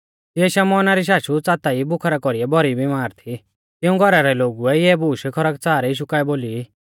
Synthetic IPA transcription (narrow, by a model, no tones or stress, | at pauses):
t̪ɪɛʃamɔːnaɾiʃ̬aːʃut͡saːt̪aibʊkʰaɾakɔɾiɛbɔɾibimaːɾt̪ʰi | t̪ɪũɡʱɔɾaɾɛloːɡuɛjɛbuːʃkʰɔɾəkt͡saːɾɛiːʃ̬ukaːɛboːli